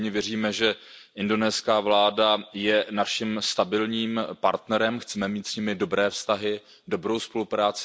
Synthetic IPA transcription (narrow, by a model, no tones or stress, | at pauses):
ɲɪvjɛriːmɛʒɛ | ʔɪndo̞nɛːskaːvlaːdajɛnaʃɪmst̪abɪlɲiːmpa̰ɾt̪nɛɾɛmxt͡sɛmɛmiːt̪sɲɪmɪdo̞bɾɛːfst̪aɦɪ | do̞bɾo̞wspo̞lupɾaːt͡sɪ